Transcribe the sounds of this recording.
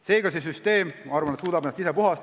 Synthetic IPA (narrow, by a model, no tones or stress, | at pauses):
se̞ːɡɑse̞s̬yst̪e̞ːmɑrvɑnet̪suːd̪ɑb̥enːɑst̪isepuɦɑst̪